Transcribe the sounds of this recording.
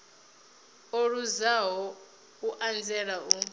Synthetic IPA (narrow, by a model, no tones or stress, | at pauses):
oɺuzaɦɔ | uʔand͡zʱɛɺau